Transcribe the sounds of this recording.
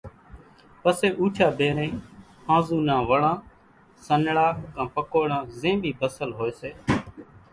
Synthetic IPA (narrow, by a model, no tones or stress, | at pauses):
pəseːʔuːt͡ʃʰaːbeːɾẽː | hãːzuːnãːʋəɽãː | sənɽaːkãːpəkoːɽãːzẽːbʱiːbəsəlɦoːeːseː